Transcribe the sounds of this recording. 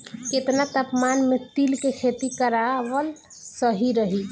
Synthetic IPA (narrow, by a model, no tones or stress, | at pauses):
ket̪nat̪əpmanmet̪ilkekʰet̪ikəɾawəl | səɦiɾəɦi